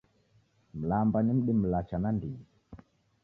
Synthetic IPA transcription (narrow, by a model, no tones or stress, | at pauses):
m̩lambanim̩ɗim̩lat͡ʃanandiɲi